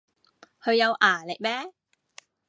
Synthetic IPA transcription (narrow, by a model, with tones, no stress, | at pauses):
kʰɵ˨˧ɥjɐ˨˧wʔaː˨˩le˨˩jmɛː˥